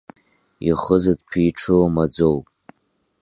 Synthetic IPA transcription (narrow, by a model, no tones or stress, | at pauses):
iχəzadpʰiːʈ͡ʂʰɨmad͡zowpʼ